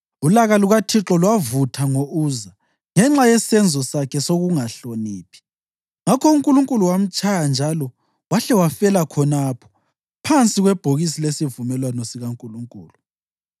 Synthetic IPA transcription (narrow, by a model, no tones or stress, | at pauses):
ulaɣaluɣatʰiǁɔlwavutʰaŋouːza | ŋɛŋ͡ǁajɛsɛnd͡zʱɔsakʰɛsoɣuŋaɬoniːpʰi̥ | ŋakʰɔuŋkʼuluŋkʼuluwam̩t͡ʃʼajand͡ʒʱalɔ | waɬɛwafɛlakʰɔnapʰɔ̥ | pʰant͡sʼiɣwɛb̥ʱoɣisilesivumɛlwanɔsiɣaŋkʼuluŋkʼṵːlu